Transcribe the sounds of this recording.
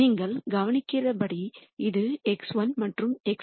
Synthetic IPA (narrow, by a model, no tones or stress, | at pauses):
iːŋɡɐɭɡɐʋɐnɪkːɪrɐpɐɽiɪðɯɛksʋɐnmɐʈrɯmɛk